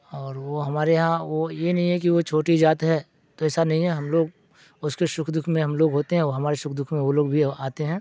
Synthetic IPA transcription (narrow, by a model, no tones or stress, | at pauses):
ɔːɾʋoɦɐmaːɾeɦãʋojenɐɦĩɦɛk̬iʋot͡ʃʰoːʈid͡ʒaːt̪ɦɛː | t̪oɪsanɐɦĩɦɛɦɐmloːɡ | ʊskeʃʊkʰd̪ʊkʰmẽɦɐmloːɡɦoːt̪eɦɛ̃oɦɐmaːɾeʃʊkʰd̪ʊkʰmẽʋoloːɡbʱiaːt̪eɦɛ̃ː